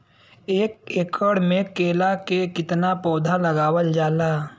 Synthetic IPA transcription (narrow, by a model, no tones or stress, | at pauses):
eːkekəɽmẽkeːlakekɪt̪napɔːd̪ʱaləɡaːwəld͡ʒaːlaː